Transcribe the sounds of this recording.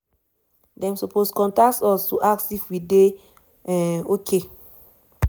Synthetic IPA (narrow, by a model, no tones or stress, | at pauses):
dɛ̃msopʰoskɔ̃ntak̚tɔstuʔaksifwide | ɛ̃okʰe